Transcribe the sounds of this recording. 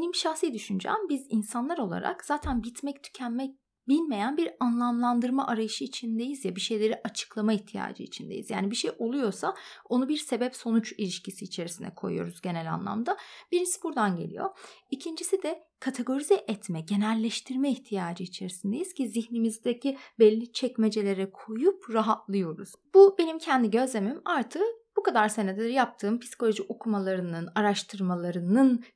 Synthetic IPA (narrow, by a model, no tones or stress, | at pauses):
benimʃaxsijɛd̪yʃynd͡ʒæ̰ːmbizinsanlˠaɾo̞lˠa̰ɾa̰kz̥aːt̪ʰænbit̪mɛct̪ʰy̥cʰænmɛ | bilʲme̞jænbiɾanlˠamlˠand̪ɯɾmaʔaɾajɯʃɯit͡ʃʰind̪e̞jizjabiʃe̞jlʲe̞ɾiʔat͡ʃʰɯ̥klˠamaiçt̪ʰija̰ːd͡ʒɯ̰ḭt͡ʃʰind̪e̞̰jizja̰ːnibiʃejʔo̞lˠujo̞sao̞nubiɾse̞bɛpso̞nut͡ʃilʲiʃcisiːt͡ʃʰe̞ɾisinɛ̰kʰo̞jṵjo̞̰ɾuzɟe̞nɛlʲa̰nlˠa̰md̪ab̥iɾinsibuɾd̪anɟelʲḭjo̞̰icʰind͡ʒisid̪ɛ | kʰat̪ʰe̞ɡo̞ɾizɛʔɛt̪mɛɟe̞nælʲːɛʃt̪ʰiɾmɛiçt̪ʰijaːd͡ʒɯit͡ʃʰe̞ɾisind̪ejiz̥cʰiziçnimizd̪ecʰibɛlʲːit͡ʃʰɛcmed͡ʒe̞lʲe̞ɾɛkʰo̞jupɾaɦat̪lˠɯjo̞ɾṵz̥b̥ube̞nimcʰɛnd̪iɟø̞zlʲe̞mimaɾt̪ʰɯb̥ukad̪aɾsened̪eɾjap̚t̪ʰɯːmpʰisko̞lʲoʒiʔokʰumalˠaɾɯnɯnaɾaʃt̪ʰɯɾmalˠaɾɯnɯn